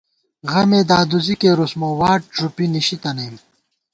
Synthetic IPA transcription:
ɣɐmeːd̪aːd̪uzikeːɾusmoːwaːʈ̚ːɾupiniɕit̪ɐnɐjm

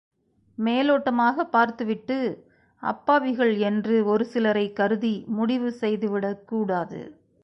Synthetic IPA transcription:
meːloːʈːɐmaːɣɐpːaːɾt̪ɯʋɪʈːɯ | ʔɐ̰pːaːʋɪɣɐɭɛndrɯɔɾɯsɪlɐɾɐɪkːɐɾɯðimʊɽɪʋɯsɛjðɯʋɪɽɐkːuːɽaːðɯ̰

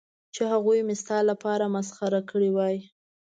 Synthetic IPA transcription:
t͡ʃehaɣujmɪst̪ɑlːapɑɾamasxaɾakəɽiwɑj

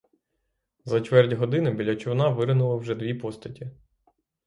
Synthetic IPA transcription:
zɐt͡ʃʋɛrdʲɦɔd̪ɪnɪbʲilʲɐt͡ʃʊwnɑʋɪɾɪnʊlˠɐwʒɛd̪ʋʲipɔst̪ɐtʲi

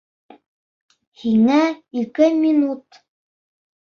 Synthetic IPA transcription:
hiŋæikɘmʲinut̪

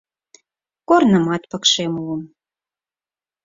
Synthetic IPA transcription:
kornə̆mɑt̪pɤ̆kʃemuəm

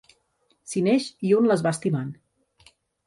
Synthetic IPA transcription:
sinɛʃiunləzβast̪iman

